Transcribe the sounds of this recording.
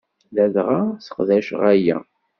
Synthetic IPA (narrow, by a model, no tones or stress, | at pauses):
læðʁasə̥qðæʃʁæjæ̰